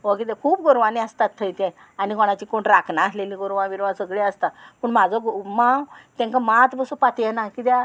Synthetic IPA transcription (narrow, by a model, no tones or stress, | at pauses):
okit̪̬ekʰuːpɡoɾʋanĩəst̪at̪ʰːəjt̪ɛ̃ | aniɡoɽ̃at͡ɕiːkoɳɾakʰnaːsleliːɡoɾʋãʋiɾʋãsəɡɭeəst̪apəɳmad͡zʱɔɡmãt̪ɛ̃ŋkamat̪bəsupat̪jɛnakit̪ja